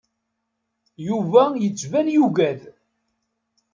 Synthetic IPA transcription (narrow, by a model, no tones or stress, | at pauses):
juvæjət͡sːvænjuɡæð